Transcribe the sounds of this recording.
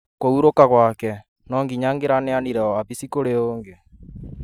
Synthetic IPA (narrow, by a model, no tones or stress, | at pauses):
kouɾokaɣwakɛ | nɔːŋɡiɲaːŋɡeɾaneaniɾɛɔaβisikoɾeoːŋɡe